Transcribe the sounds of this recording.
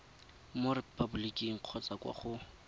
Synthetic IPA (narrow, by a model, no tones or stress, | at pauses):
morɪpʰʼabulikʼiŋ̩q͡χʰɔt͡sakʼwa̰χʊ